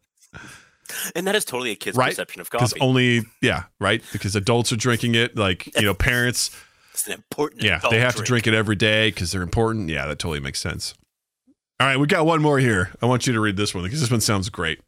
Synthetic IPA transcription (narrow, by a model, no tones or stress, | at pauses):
ɨ̃nðɨɾɨz̥tʰoʊɾl̩ˠiɨkʰɪzɹaɪtsɛpʃɨ̃nʌvɡɑkʌzõʊ̃nlijæ̰ɹaɪt̚b̥ɨkʰʌzɨdʌlˠtsə˞dɹɪ̃ŋkɪ̃ŋɪt̚laɪkjɨnoʊpʰɛɹɨ̃nts | sn̩ɨ̃mpʰɔɹʔn̩jæ̰ðeɪɦæftɨdɹɪ̃ŋkɨɾɛvɹideɪkʰʌzðə˞ɨ̃mpʰɔɹʔn̩jæ̰ðɨtʰoʊɾl̩ˠimḛɪksɛ̰̃ns | ɑɹaɪt̚wiɡɑt̚wʌ̃nmɔɹhiɹaɪwɑ̃nt͡ʃɨɾɨɹid̪̚ðɪswʌ̃nkʰʌzðɪs̬wʌ̃nsãʊ̃ndzɡɹeɪt̚